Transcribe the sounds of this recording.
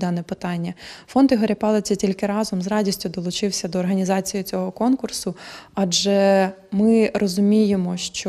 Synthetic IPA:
d̪ɑnɛpɪt̪ɑnʲːɐfɔnt̪iɦɐɾʲepɑlˠɪt͡sʲɐtʲilʲkɪɾɑzɔmzrɑdʲisʲtʲʊd̪ɔlˠʊt͡ʃɪwsʲɐd̪ɔːrɦɐnʲizɑt͡sʲijʊt͡sʲɔɦɔkɔnkʊrsʊɑd͡ʒɛmɪrʔɔzʊmʲijemɔʃt͡ʃɔ

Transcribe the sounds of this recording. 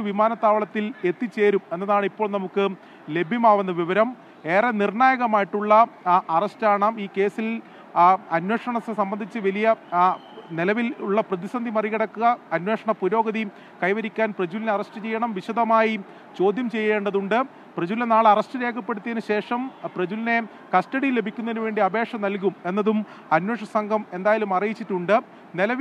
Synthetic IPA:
ʋimaːnɐt̪ːaːʋɐɭɐt̪ːile̞t̪ːit͡ɕːe̞ːɾume̞nːɐðaːɳipːo̞ːɭnɐmukːɨ | le̞bʱjɐmaːʋunːɐʋiʋɐɾɐm | e̞ːrɐnirɳaːjɐɣɐmaːjiʈːuɭːɐɐrɐstaːɳaːmiːke̞ːsil | ɐnwe̞ːʂɐɳɐssɐmbɐnd̪ʱit͡ɕːɨʋɐlijɐ | nilɐʋiluɭːɐprɐðisɐnd̪ʱimɐriɣɐɽɐkːuɣɐːnwe̞ːʂɐɳɐpuɾo̞ːɡɐði | kɐjʋɐɾikʲːaːnprɐd͡ʑulineɐrɐstɨt͡ɕe̞jːɐɳɐmʋiɕɐd̪ɐmaːji | t͡ɕo̞ːd̪ʱjɐmt͡ɕe̞jːe̞ːɳɖɐðuɳɖɨ | prɐd͡ʑulenaːɭɐrɐstɨɾe̞ːkʰɐpːe̞ɽut̪ːiðnɨɕe̞ːʂɐmprɐd͡ʑuline̞ | kɐstɐɽijlːe̞bʱikʲːunːɐðinuʋe̞ːɳɖiɐbe̞ːʂɐmnɐlk̬ume̞nːɐðum | ɐnwe̞ːʂɐsɐŋɡʱɐme̞nd̪aːjɐlumɐrijit͡ɕːiʈːuɳɖɨ | nelɐʋ

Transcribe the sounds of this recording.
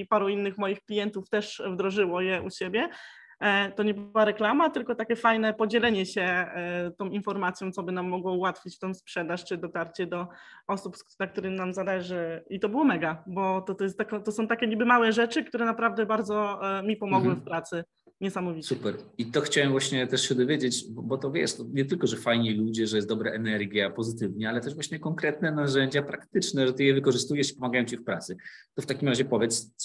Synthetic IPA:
ipaɾuinːɘxmɔjixklʲijɛnt̪uft̪ɛʂvd̪ɾɔʐɘwɔjɛʔuɕebʲjɛ | t̪ɔɲɛbwaɾɛklamat̪ɘlkɔt̪akʲɛfajnɛpɔd͡ʑɛlɛɲɛɕɛt̪ɔ̃w̃infɔɾmat̪sʲjɔ̃t̪sɔbɘnamːɔɡwɔuwat̪fʲit͡ɕt̪ɛ̃w̃spʂɛd̪aʂt͡ʂɘd̪ɔt̪aɾt͡ɕɛd̪ɔɔsupsnak̚t̪uɾɘmnamzalɛʐɘit̪ɔbɘwɔmɛɡabɔt̪ɔt̪jɛst̪ɛkɔt̪ɔsɔ̃w̃t̪akʲɛɲibɘmawɛʐɛt͡ʂɘk̚t̪uɾɛnapɾavd̪ɛbaɾd̪zɔmʲipɔmɔɡwɛ̃fpɾat̪sɘ | ɲɛsamɔvʲisupɛɾit̪ɔxt͡ɕawɛmvwaɕɲɛt̪ɛʂɕɛd̪ɔvʲjed͡ʑet͡ɕbɔbɔt̪ɔvʲjɛ̰ʂt̪ɔɲɛt̪ɘlkɔʐɛfajɲilud͡ʑɛʐɛjɛst̪d̪ɔbɾaʔɛnɛɾɡʲjapɔzɘt̪ɘvɲɛalɛt̪ɛʐvwaɕɲɛkɔŋkɾɛt̪̚nɛnaʐɛɲd͡ʑapɾakt̪ɘt͡ʂnɛʐɛt̪ɘjɛvɘkɔʐɘst̪ujɛʂi̥pɔmaɡajɔ̃w̃t͡ɕifpɾat̪sɘt̪ɔft̪akʲimɾaʑɛpɔvʲjɛt̪s

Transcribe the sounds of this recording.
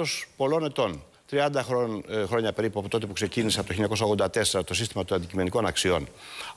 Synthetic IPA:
ospo̞lo̞ne̞t̪o̞n | t̪ɾiɐnd̪ɐxxɾo̞ɲɐpe̞ɾipuɐpot̪o̞t̪e̞pu̥kse̞ciniseɐpot̪oçiʎɲɐkosɐoɣðod̪ɐt̪e̞se̞ɾɐt̪o̞sist̪imɐt̪oɐnd̪icime̞niko̞nɐksio̞̰n

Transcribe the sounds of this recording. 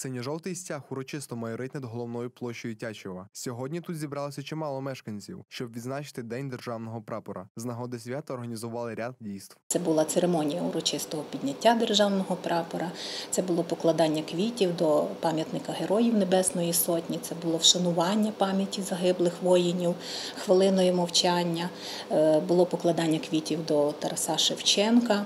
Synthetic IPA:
sɛnʲiʒɔlt̪ɪjsʲtʲaxʊɾɔt͡ʃɪst̪ɔmɐjɔɾɪt̪nɐd̪ɦɔlˠɔwnɔjʊplˠɔʃt͡ʃɔjʊtʲat͡ʃɪʋɐsʲɔɦɔdʲnʲit̪ut̪zʲibɾɑlˠɔsʲɐt͡ʃɛmɑlˠɔmɛʃkɐnʲt͡sʲḭwʃt͡ʃɔbʋʲid̪znɑt͡ʃɪ̥t̪ɪd̪ɛnʲd̪erʒɑwnɔɦɔpɾɑpɔɾɐznɐɦɔd̪ɪsʲʋʲat̪ɐːrɾɦɐnʲizʊʋɑlˠɪɾʲad̪̚dʲijst̪w̪sɛbʊlˠɑt̪seɾemɔnʲijɐʊɾɔt͡ʃɪst̪ɔɦɔpʲidʲnʲɐtʲːad̪erʒɑwnɔɦɔpɾɑpɔɾɐt̪sɛbʊlˠɔpɔklˠɐd̪ɑnʲːɐkʋʲitʲiwd̪ɔpɑmʲjɐt̪nɪkɐɦeɾɔjiwnebɛsnɔjisɔtʲnʲit̪sɛbʊlˠɔwʃɐnʊʋɑnʲːɐpɑmʲjɐtʲizɐɦɪblˠɪxʋɔjinʲiw | xʋɪlˠɪnɔjimɔwt͡ʃɑnʲːɐ | bʊlˠɔpɔklˠɐd̪ɑnʲːɐkʋʲitʲiwd̪ɔt̪ɐɾɐsɑʃɪwt͡ʃɛnkɐ

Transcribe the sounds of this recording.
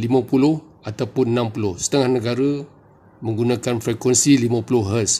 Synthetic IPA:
limə̃pulʊh | at̪awpʊnnãmpulʊhsə̥t̪əŋahnəɡaɾə | mə̃ŋɡunãkanfɾɛkwɛnsilimə̃pulʊhɦəs

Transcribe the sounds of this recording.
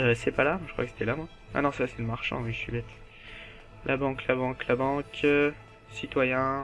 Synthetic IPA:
øsɛpalamwaʒəkχwa̰kəse̥t̪ɛlamwa | a̰nɔ̃saasɛləmaʁʃɑ̰̃wiʒəʃɥibɛt̪ | lʔabɑ̃klabɑ̃klabɑ̃k | sit̪wajɛ̃

